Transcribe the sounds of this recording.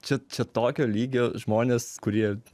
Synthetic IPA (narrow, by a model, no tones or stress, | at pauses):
t͡ʃʲɛt͡ʃʲɛt̪oːkʲoːlʲiːɡʲoːʒmoːnʲeːskʊɾʲiɛ